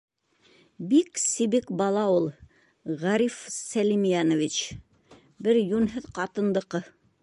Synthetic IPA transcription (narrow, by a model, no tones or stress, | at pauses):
biksiβikbɑlˠɑulˠ | ʁɑɾifsælʲimjanŏvʲit͡ɕ | bɘɾjunɦɤðqɑt̪ɤ̆nd̪ɤ̆qɤ